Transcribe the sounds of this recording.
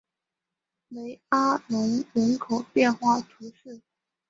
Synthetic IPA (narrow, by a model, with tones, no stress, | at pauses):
le˧˥ɪa˥lʊ˧˥ŋɻə˧˥nkʰo˨˩ʊpjɛ˥˧nxwa˥˩t̪ʰu˧˥ʂɻ̩˥˩